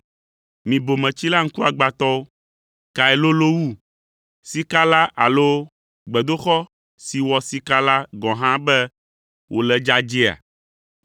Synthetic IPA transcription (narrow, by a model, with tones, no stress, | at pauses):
mĩ˨bo˨mɛ̃˨t͡ɕi˦la˦ŋ̩˦ku˦a˨ɡ͡ba˨t̪ɔ˦o˦ | ka˨ɛ˨lo˦lo˦wu˦ | si˦ka˦la˦ʔa˨lo˦ | ɡ͡bɛ˨d̪o˦xɔ˦ | si˨wɔ˨si˦ka˦la˦ɡɔ̃˨ɦã˦bɛ˦ | wʔo˨lɛ˨d͡ʒa˦d͡ʒi˦a̰˨